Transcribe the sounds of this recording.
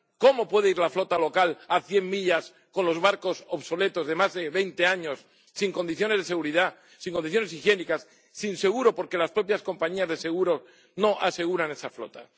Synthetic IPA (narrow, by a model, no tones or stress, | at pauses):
ko̞mo̞pwe̞ðeiɾlaflo̞t̪alo̞kalaθje̞mːiʎas | ko̞nlo̞zβaɾko̞soβso̞le̞t̪o̞zðe̞mazðe̞βe̞jnt̪e̞aɲo̞sː | iŋko̞nd̪iθjo̞ne̞zðese̞ɣuɾiðaː | iŋkond̪iθjo̞ne̞sixje̞nikasː | inse̞ɣuɾo̞po̞ɾke̞laspɾo̞pjasko̞mpaɲiazðe̞se̞ɣ̞uɾo̞ | no̞ʔase̞ɣ̞uɾane̞saflo̞t̪a